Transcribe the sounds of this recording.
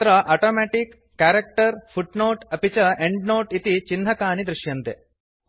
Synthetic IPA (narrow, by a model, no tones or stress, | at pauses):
t̪ɾɐʔaːʈoːmɛːʈikːaːɾɐk̚ʈɐɾpʰuʈnoːʈɐpit͡ʃɐeɳɖnoːʈit̪it͡ʃinɦɐkaːɳid̪ɾuʂjɐnt̪e